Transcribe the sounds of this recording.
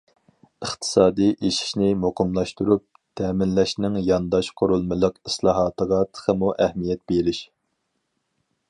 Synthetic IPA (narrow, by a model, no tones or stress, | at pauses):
əχt̪ʰɨ̥sɑːd̪iʔeʃi̥ʃnɪmoqʰəmlˠɑʃt̪uɾup̚ | t̪ʰɛːmɪnlɛʃnɪŋjɑnd̪ɑʃqʰoɾulˠmɨlˠəqislˠɑːɦɑt̪əʁɑt̪ʰə̥χʰəmuʔæhmijɛt̪̚b̥eɾɪʃ